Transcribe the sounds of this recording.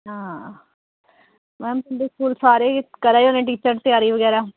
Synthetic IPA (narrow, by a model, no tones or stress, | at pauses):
ɦãː | mɛ̃ːmt̪ʊnd̪eːskuːlsaːɾeːkəɾaːioːnẽːʈ̬iːt͡ʃəɾt̪ɪjaːɾiːʋəɡɛːɾaː